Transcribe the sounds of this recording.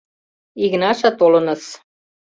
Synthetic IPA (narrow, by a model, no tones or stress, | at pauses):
iɣnɑʃɑt̪olɤ̆nəs